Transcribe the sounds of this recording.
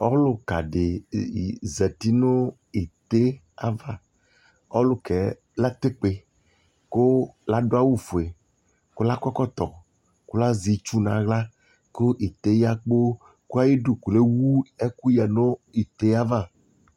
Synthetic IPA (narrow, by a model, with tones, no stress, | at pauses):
ɔ˦lo˨ka̰˨ɖe˨ | zɛ˨t̪i˦no˦ | i˨t̪e˦ | a˦va˦˨ | ɔ̰˦lo˦ke˨ | la˦t̪e˦k͡pe˨ | ko˦la˦ɖo˦a˦wu˦fo˨e˨ | ko˦la˦kɔ˦kɔ˦t̪ɔ˨ | ko˦la˦zi˨t͡ʃu˦nã˨ɣla˦ | ko˦ʔi˨t̪e˦ja˦k͡po˦ | ku˦a˦ji˦ɖo˨ku˨le˦wu˦e˦ku˦ja˨no˦i˨t̪e˦a˦va˦˨